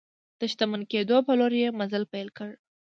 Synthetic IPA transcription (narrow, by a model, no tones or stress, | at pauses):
d̪̥əʃt̪amənked̪opəloɾjemazəlpajlkəɽ